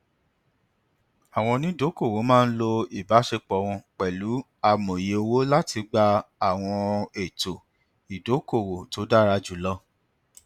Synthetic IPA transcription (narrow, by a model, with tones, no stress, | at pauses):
a˨w̃ɔ̃˧nĩ˦do˨˦ko˦˨wo˨˦mãː˦˧n̩˦lo˧i˨ba˨˦ʃe˧k͡pɔ˨˦w̃ɔ̃˧k͡pɛ˨lu˨˦ | a˧mo˨je˨˦o˧wo˦la˦ti˧ɡ͡ba˧a˦˨w̃ɔ̃˧e˨to˨ | i˨do˨˦ko˦˨wo˨to˨˦da˦˨ɾa˧d͡ʒu˨˦lɔ˦